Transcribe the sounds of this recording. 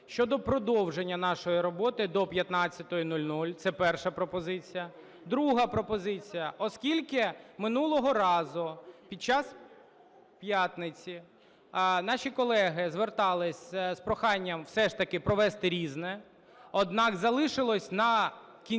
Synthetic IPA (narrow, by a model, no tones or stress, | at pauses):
ʃt͡ʃɔd̪ɔpɾɔd̪ɔwʒenʲːɐnɑʃɔjiɾɔbɔt̪ɪd̪ɔpʲjɐt̪nɑt͡sʲːɐt̪ɔjinulʲnulʲt̪sɛpɛrʃɐpɾɔpɔzɪt͡sʲijɐ | d̪ɾuɦɐpɾɔpɔzɪt͡sʲijɐʔɔskʲilʲkɪmɪnulˠɔɦɔɾɑzʊpʲid̪̚t͡ʃɑs | pʲjat̪nɪt͡sʲi | nɑʃʲikɔlˠɛɦɪzʋert̪ɑlˠɪsʲspɾɔxɑnʲːɐmwsɛʃt̪ɐkɪpɾɔʋɛst̪ɪɾʲiznɛ | ɔd̪nɑkzɐlˠɪʃɪlˠɔsʲnɐ | kʲi